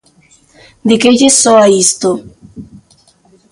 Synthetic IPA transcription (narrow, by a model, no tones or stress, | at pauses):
d̪ekeʎesoaist̪o